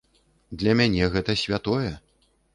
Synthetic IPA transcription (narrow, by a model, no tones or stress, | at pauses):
d̪lʲɐmʲanʲɛɣɛt̪ɐsʲvʲat̪ɔjɛ